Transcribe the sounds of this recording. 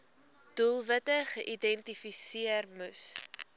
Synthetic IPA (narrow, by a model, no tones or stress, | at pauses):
d̥ulˠvətəχəʔidɛntifisiərmus